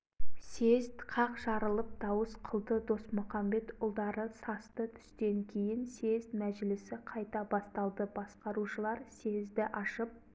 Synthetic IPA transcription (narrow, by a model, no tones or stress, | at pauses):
se̞zt̪qʰɑqʒɑɾəlˠəp̚d̪̥ɑwəsqʰəlˠd̪əd̪o̞smʊχɑmbe̞t̪ʊlˠd̪ɑɾəsɑst̪ət̪ʰʏ̥st̪e̞ŋkʲʰe̞jɪnse̞zmæʒlɪsɪqʰɑjt̪ɑbɑst̪ɑlˠd̪əbɑsqɑɾuʃəlˠɑɾse̞zd̪ɪʔɑʃəp̚